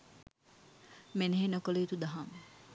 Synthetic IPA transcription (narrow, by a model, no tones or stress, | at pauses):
meneɦenokoleit̪ud̪aɦaŋ